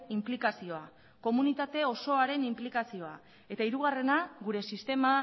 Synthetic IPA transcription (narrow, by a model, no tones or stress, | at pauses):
implikasio̞a | ko̞munit̪at̪e̞o̞so̞aɾe̞nimplikasio̞a | e̞t̪aiɾuɣ̞are̞naɣuɾe̞sist̪e̞ma